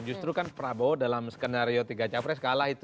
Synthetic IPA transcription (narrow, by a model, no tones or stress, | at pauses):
d͡ʒust̪ɾukanpɾabodalamsə̥kənaɾiot̪iɡat͡ʃapɾɛs̬ə̥kalahit̪